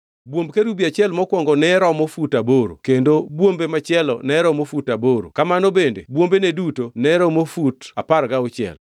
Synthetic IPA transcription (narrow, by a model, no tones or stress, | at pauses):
bwombkeɾubiat͡ʃɛlmɔkwɔŋɡɔnɛɾɔmofutaboɾo̰kendobwombemat͡ʃɪɛlɔ̰nɛɾɔmofutaboɾo̰kamanobendḛbwombenedutonɛɾɔmofutapaɾɡaot͡ʃɪɛ̰l